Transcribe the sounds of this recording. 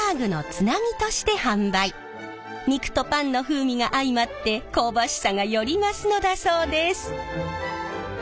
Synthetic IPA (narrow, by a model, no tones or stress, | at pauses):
aːɡɯ̟no̞t͡sɨnamʲit̪o̞ɕi̥t̪e̞hãmbai | ɲ̟ikɯ̥t̪o̞pãnːo̞ɸɯːmʲiɡaʔaimat̪ːe̞ko̞ːbaɕi̥saɡajo̞ɾʲimasɨno̞d̪aso̞ːd̪e̞sɨ̥